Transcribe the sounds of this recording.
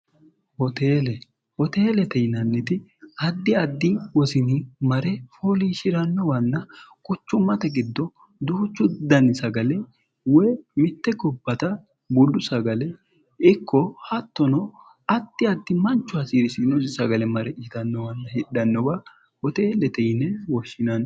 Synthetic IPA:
hɔt̪eːlɛ | ɔt̪eːlɛt̪ɛjnɐnːɪt̪ɪɐd̪ːɪɐd̪ːɪwɔsɪnimɐɾɛfoːliːʃɪɾɐnːɔwɐnːɐkʼʊt͡ʃːʊmːɐt̪ɛɡɪd̪ːɔ | d̪ʊːt͡ʃːʊd̪ɐnɪsɐɡɐlɛ | wɛːmɪt̪ːɛɡɔbːɐt̪ɐ | bʊlːʊsɐɡɐlɛ | ɪkːɔhɐt̪ːɔnɔ | ɐd̪ːɪɐd̪ːɪmɐnt͡ʃːʊɐsiːɾɪsɪnɔsɪsɐɡɐlɛmɐɾɛɪt̪ɐnːɔwɐnːɐhɪɗɐnːɔba | ɔt̪eːlɛt̪ɛjnɛwɔʃːɪnɐn

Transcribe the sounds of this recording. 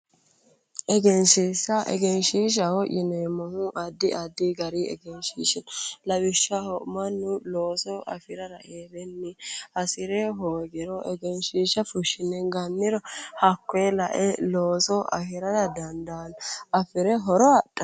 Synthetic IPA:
ʔɛɡɛnʃiːsːɐʔɛ̰ɡɛnʃiːʃ̬ɐhɔʔɪnɛmɔhʊʔɐd̪ːɪʔɐd̪ːiɡɐɾiɛ̰ɡɛnʃḭːʃɪnlɐwɪʃːɐhɔʔmɐnːʊloːsɔʔɐ̰fɪɾɐɾɐ̰ʔeːbɛnːɪhɐsɪɾɛɦoːɡɛɾɔʔɛɡɛnʃiːʃɐfʊʃːɪnɛɡɐnːɪɾɔhɐkːelɐʔɛloːsɔʔɐ̰hɪɾɐd̪ɐd̪ɐnd̪anɐfɪɾɛɦɔɾɔɐtːɐ

